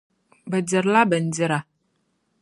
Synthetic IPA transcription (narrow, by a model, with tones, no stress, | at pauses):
bə˨di˨ɾla˦bə˨n̩˨di˦ɾa˨